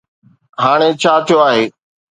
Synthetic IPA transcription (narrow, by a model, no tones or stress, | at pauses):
ɦaːɽ̃et͡ɕʰaːt̪ʰijoaːɦeː